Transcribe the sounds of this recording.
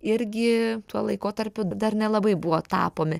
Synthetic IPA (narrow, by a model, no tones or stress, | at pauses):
ɪɾʲɡʲɪt̪uɔlˠɐɪkoːt̪ɐɾʲpʲʊd̪ɐrnʲɛlˠɐbɐɪbʊʋoːt̪ɑ̰ːpoːmʲɪ